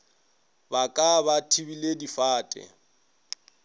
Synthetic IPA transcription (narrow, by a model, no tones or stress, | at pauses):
bakʼabatʰibiledifaːtʼɛ̰